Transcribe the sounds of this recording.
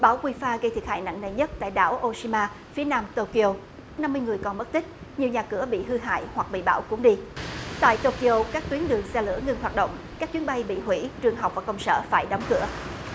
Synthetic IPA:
ɓaː˧˩wkwi˧faː˧ɣə˧jt̪ʰi˨˩əha̰ː˧˨jna̰˧˨ŋnəː˨˩jɲə˦˥t̚t̪a̰ː˧˨jɗa̰ː˧˩wʔo˧si˧maː˧ | fi˨˦ənaː˧mt̪o˧ki˧o˧ | na˧mːɨ˧jŋɨ˨˩əjkɔ˨˩nmə˦˥t̚t̪ï˦˥k̟̚ɲi˨˩əwɲaː˨˩kɨ˧˩əɓḭ˧˨ɦɨ˧ɦa̰ː˧˨jhwa˨˩k̚ɓḭ˧˨ɓa̰ː˧˩wkʊ˧˦ŋ͡mɗi˧t̪a̰ː˧˨jt̪o˧ki˧ʔo˧kaː˦˥k̚t̪wənɗɨ˨˩əŋsɛ˧lɨ̰˧˥əŋɨ˧nɦwaː˨˩t̚ɗo̰˧˨wŋ͡mkaː˦˥k̚t͡ɕwənɓa˧jɓḭ˧˨ɦwḭ˧˥t͡ɕɨ˨˩əŋɦa˨˩wk͡p̚vaː˨˩kə˧wŋ͡msə̰ː˧˨faː˧˩jɗɔ˨˦wŋ͡mkɨ̰˧˩ə

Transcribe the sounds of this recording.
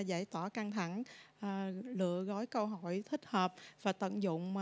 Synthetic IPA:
za˧˩jt̪waː˧˩ka˧ŋt̪ʰa˧˩ŋʔːlɨ̰˧˨əɣɔ˨˦jkə˧wɦɔ˧˩˨jt̪ʰï˦˥k̟̚həː˨˩p̚vaː˨˩t̪ə̰˧˨nzʊ̰˧˨ŋ͡m

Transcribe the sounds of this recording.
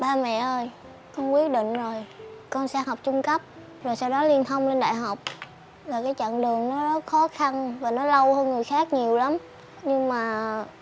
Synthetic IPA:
ɓaː˧mɛ̰˧˨ʔəː˧j | kɔ˧nkwi˦˥ət̚ɗḭ̈˧˨ŋ̟zo˨˩jkɔ˧nsɛ˧hɔ˨˩wk͡p̚t͡ɕʊ˧ŋ͡mkə˦˥p̚ | zo˨˩jsaː˧wɗɔ˨˦li˧ənt̪ʰə˧wŋ͡mt͡ɕe˧nɗa̰ː˧˨jɦa˨˩wk͡p̚ | laː˨˩kaː˨˦jt͡ɕa̰˧˨ŋɗɨ˨˩əŋnɔ˨˦ɗɔ˨˦xɔ˨˦xa˧nvaː˨˩nɔ˨˦lə˧whəː˧nŋɨ˨˩əjxaː˦˥k̚ɲi˨˩əwla˨˦m | ɲɨ˧ŋmaː˨˩

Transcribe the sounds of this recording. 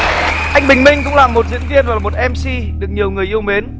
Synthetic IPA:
ʔa˧jŋ̟ɓï˨˩ŋ̟mï˧ŋ̟kʊ̰˧˥ŋ͡mlaː˨˩mːo˨˩t̚zḭ˧˥ənvi˧ənvaː˨˩mo˨˩t̚ʔɛ˧msi˧ɗɨ˨˩ək̚ɲi˨˩əwŋɨ˨˩əjʔi˧əwme˨˦n

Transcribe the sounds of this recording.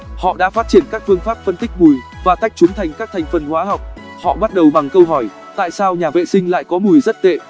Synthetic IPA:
hɔ̰˧˨ɗa̰ː˧˥faː˦˥t̚t͡ɕi˧˩ənkaː˦˥k̚fɨ˧əŋfaː˦˥p̚fə˧nt̪k̟̚mu˨˩jvaː˨˩t̪a˦˥jk̚t͡ɕʊ˨˦ŋ͡mt̪ʰa˨˩jŋ̟kaː˦˥k̚t̪ʰa˨˩jŋ̟fə˨˩nhwaː˨˦ɦa˨˩wk͡p̚ | hɔ̰˧˨ɓa˦˥t̚ɗə˨˩wɓa˨˩ŋkə˧wɦɔ˧˩j | t̪a̰ː˧˨jsaː˧wɲaː˨˩vḛ˧˨sï˧ŋ̟la̰ː˧˨jkɔ˨˦mu˨˩jzə˦˥t̚t̪ḛ˧˨

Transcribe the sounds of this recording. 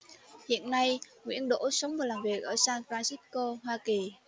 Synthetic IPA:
hḭ˧˨ənːa˧jŋwḭ˧˥ənɗo̰˧˥sə˨˦wŋ͡mvaː˨˩jlaː˨˩mvi˨˩ək̚ʔəː˧˩saː˧ŋfɾaː˧nsi˦˥ko˧hwaː˧ki˨˩

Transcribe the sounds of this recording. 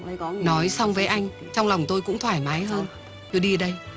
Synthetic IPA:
nɔ˨˦jsa˧wŋ͡mvəː˨˦jʔa˧jŋ̟ | t͡ɕɔ˧wŋ͡mla˨˩wŋ͡mt̪o˧jkʊ̰˧˥ŋ͡mt̪ʰwaː˧˩jma˨˦jɦəː˧n | t͡ɕɨ˧əɗi˧˨ɗə˧j

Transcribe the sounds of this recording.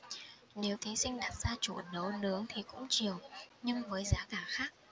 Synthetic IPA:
ne˨˦wt̪ʰi˨˦sï˧ŋ̟ɗaː˨˩t̚z̥aː˧t͡ɕu˧˩nə˨˦wnɨ˨˦əŋt̪ʰi˨˩kʊ̰˧˥ŋ͡mt͡ɕi˨˩əwɲɨ˧ŋvəː˨˦jzaː˨˦kaː˧˩xaː˦˥k̚

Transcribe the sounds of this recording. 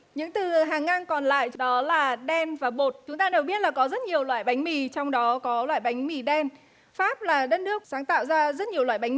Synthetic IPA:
ɲɨ̰˧˥ŋt̪ɨ˨˩ɦaː˨˩ŋːa˧ŋkɔ˨˩nla̰ː˧˨jɗɔ˨˦laː˨˩ɗɛ˧nvaː˨˩ɓo˨˩t̚t͡ɕʊ˨˦ŋ͡mt̪aː˧ɗe˨˩wi˦˥ət̚laː˨˩kɔ˨˦zə˦˥t̚ɲi˨˩əwlwa̰ː˧˨jɓa˨˦jŋ̟mi˨˩t͡ɕɔ˧wŋ͡mɗɔ˨˦kɔ˨˦lwa̰ː˧˨jɓa˨˦jŋ̟mi˧˩ɗɛ˧n | faː˦˥p̚laː˨˩ɗə˦˧˥t̚nɨ˦˥ək̚saː˨˦ŋt̪a̰ː˧˨wzaː˧zə˦˥t̚ɲi˨˩əwa̰ː˧˨jɓa˨˦ŋ˨˩

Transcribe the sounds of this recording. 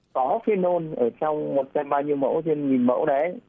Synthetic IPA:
kɔ˨˦fi˨˦no˧nʔəː˧˩t͡ɕɔ˧wŋ͡mmo˨˩t̚t͡ɕa˧mɓaː˧wɲi˧əwmə̰˧˥wt̪ʰi˧ənɲi˨˩nmə̰˧˥wɗə˨˦

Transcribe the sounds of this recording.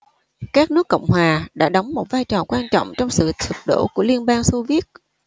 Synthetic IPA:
kaː˦˥k̚nɨ˦˥əkːə̰˧˨wŋ͡mhwaː˨˩ɗa̰ː˧˥ɗɔ˨˦wŋ͡mmo˨˩t̚vaː˧jt͡ɕɔ˨˩kwaː˧nt͡ɕɔ̰˧˨wŋ͡mt͡ɕɔ˧wŋ͡msɨ̰˧˨t͡ɕ̪ʰɨ˨˩t̚ɗo̰˧˩ku˧˩əli˧ənɓaː˧nso˧vi˦˥ət̚

